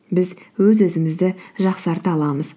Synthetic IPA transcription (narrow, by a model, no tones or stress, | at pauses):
bɪzwɵzɵzɪmɪzd̪ɪʒɑqsɑɾt̪əɑlˠɑməz